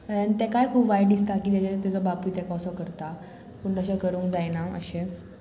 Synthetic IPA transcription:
ant̪ɛkajkʰuːpʋajɖd̪ist̪akiːt̪et͡ɕet̪ɛt͡sɔbapujt̪ekɔsɔkəɾt̪a | puɳɖəɕɔkəɾuːŋkd͡zajnaə̰ɕe

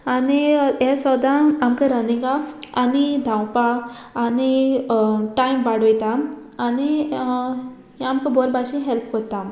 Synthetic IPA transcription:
aniasɔd̪ãamkaɾənĩɡaanid̪ʱãwpaː | ni | ʈaimbaɽ̤ojt̪a | ani | ɦamkãbʱɔɾbaɕĩɦɛlpkot̪a

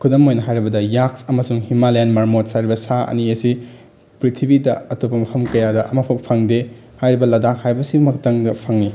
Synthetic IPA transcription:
kʰudɐmojnɐɦajɾibɐdɐjaksɐmɐsuŋhimalenmɐɾmot̚sajɾibɐsaɐ̰niɐsi | pɾitʰibidɐɐtobɐmɐpʰɐmkɐjadɐʔɐmɐpʰok̚pʰaŋde | hajɾibɐlɐdahajbɐsibumɐkʰtaŋdɐpʰaŋni

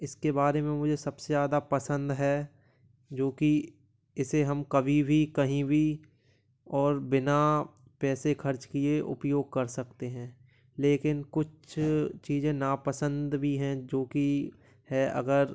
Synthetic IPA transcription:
ɪskebaːɾemẽmʊd͡ʒʱesɐbsezaːd̪apɐsə̃nd̪ɦɛː | d͡ʒoːki | ɪseɦɐmkɐbʱibʱikɐɦĩbʱi | ɔːɾbɪna | pɛːsekʰɐɾt͡ʃkieʔʊ̰pjoːɡ̚kɐɾsɐkt̪eɦɛ̃ː | leːkɪnkʊt͡ʃʰt͡ʃiːzẽnapəsə̃nd̪bʱiɦɛ̃d͡ʒoːki | hɛʔɐ̰ɡəɾ

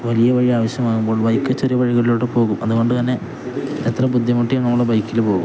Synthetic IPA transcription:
ʋɐlijɐʋɐɻiaːʋɐɕjɐmaːnumbo̞ːɭbɐjkːɨt͡ɕːɐɾjɐbɐɻiɣɐɭiloːɽepo̞ːɣumɐðuko̞ɳɖɨt̪ɐnːe̞ | et̪rɐbud̪ʱjɐmuʈːijɐnːɐmːuɭːebɐjkːilpoːɣṵm

